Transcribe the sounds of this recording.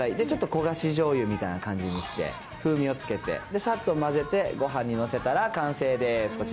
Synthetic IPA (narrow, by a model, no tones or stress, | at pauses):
aid̪e̞t͡ɕo̞t̪ːoko̞ɡaɕiʑo̞ːjɯ̟mʲit̪ainakãɲ̟d͡ʑiɲ̟iɕi̥t̪e̞̰ | ɸɯ̟ːmʲĩo̞t͡sɨ̥ke̞t̪e̞̰d̪e̞sat̪ːo̞maze̞t̪e̞ɡo̞ɦãɲ̟ːino̞se̞t̪aɾakãɰ̃se̞ːd̪e̞sɨ̥kot͡ɕ